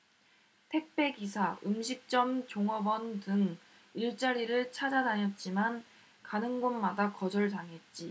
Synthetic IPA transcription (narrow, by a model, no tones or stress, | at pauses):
tʰe̞k̚p͈ʰe̞ɡisʰaɯmɕʰik̚t͡ɕ͈ʌmt͡ɕoŋʌbʌntɯŋ | iɭt͡ɕ͈aɾiɾɯɭt͡ɕʰad͡ʑadaɲʌt̚t͡ɕ͈iman | kanɯŋɡonmadakʌd͡ʑʌɭtaŋɦe̞t̚t͡ɕ͈i